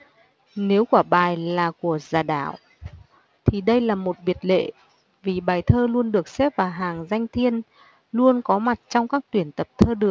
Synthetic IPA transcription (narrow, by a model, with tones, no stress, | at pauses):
ne˨˦wkaː˧˩ɓaː˨˩jlaː˨˩ku˧˩əzaː˨˩ɗa̰ː˧˩˨w | t̪ʰi˨˩ɗə˧jlaː˨˩mo˨˩t̚ɓi˨˩ət̚lḛ˧˨ | vi˨˩ɓaː˨˩jt̪ʰəː˧lu˧ənɗɨ˨˩ək̚sɛ˦˥p̚vaː˨˩ɦaː˨˩ŋza˧jŋ̟t̪ʰi˧ən | lu˧ənkɔ˨˦ma˨˩t̚t͡ɕɔ˧wŋ͡mkaː˦˥k̚t̪wi˧˩ənt̪ə˨˩p̚t̪ʰəː˧ɗɨ˨˩ək̚